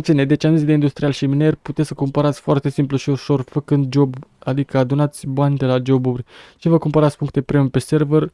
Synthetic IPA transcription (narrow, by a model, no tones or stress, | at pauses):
t̪sined̪e̞t͡ʃeanunʲd̪e̞ind̪ust̪ɾialʃimine̞rʲput̪et̪ʲsəkompəɾat̪sʲfoart̪e̞simpluʃiuʃo̞rfəkɨnd̪̚d͡ʒo̞bad̪ikəad̪unat̪sʲbanʲd̪e̞lad͡ʒo̞burʲt͡ʃivəkumpəɾat̪sʲpuŋkt̪epɾeompe̞se̞rver